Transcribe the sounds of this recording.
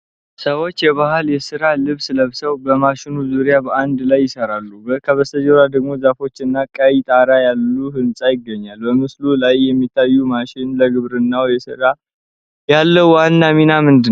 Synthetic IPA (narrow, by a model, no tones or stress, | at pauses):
səwo̞t͡ʃːjɛβahɨljɛsɨɾalɨβsləβsəwbəmaʃɪnuzuɾjabəʔand̪lajːɪsəɾalːubəkʰəβəst̪əd͡ʒɛɾad̪əɡmo̞zafo̞t͡ʃːɨnːakʼajit̪ʼaɾajalːuɦɨnsʼajɪɡːəɲːalbəmɨslulajːɛmːit̪ʰːajːumaʃɪnləɡɨβɾɨnːawjɛsɨɾa | jalːəwwanːaminamɨnd̪ɨ